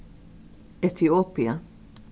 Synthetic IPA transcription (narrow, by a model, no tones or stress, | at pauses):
ɛt̪iɔpjɐ